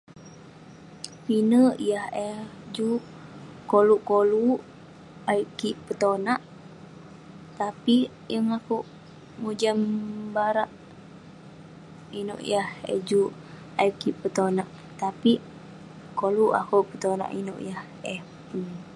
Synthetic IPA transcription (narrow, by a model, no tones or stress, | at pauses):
pinəʔjahɛhd͡ʒu | koluʔkolu | aikiʔpət̪onaʔ | t̪api | jəŋakuʔ | mud͡ʒambaɾaʔ | ino̰ʔjahɛ̰d͡ʒu | ajkiʔpət̪onaʔ | t̪api | koluʔa̰kupət̪ona̰ʔino̰ʔjah | ɛh | un